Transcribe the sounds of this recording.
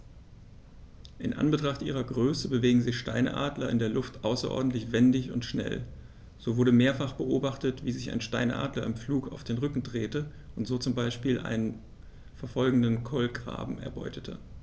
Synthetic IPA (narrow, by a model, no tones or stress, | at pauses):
ʔɪnʔa̰nbətʁ̥aχtʔiːʁɐɡʁøːsəbəveːɡŋ̩zɪçʃta̰ɪnə̰ʔa̰ːdlɐɪ̰ndeːɐlʊftʔaʊsɐ̰ʔɔ̰ɐdn̩tlɪçv̥ɛndɪçʊ̰ntʃnɛ̰l | z̥oːvʊɐɾəmeːɐfaχb̥əʔoːbaχtətv̥iːzɪça̰ɪnʃtaɪnʔa̰ːdlɐɪmfluːkaʊfd̥eːnʁʏkŋ̩dʁeːtə | ʔʊntz̥oːt͡sʊmbaɪʃpiːlʔa̰ɪnən | fɛɐfɔlɡŋ̩dənkʰɔlɡʁa̰ːbm̩ɛ̰ɐbɔ̰ʏtʰətʰə̰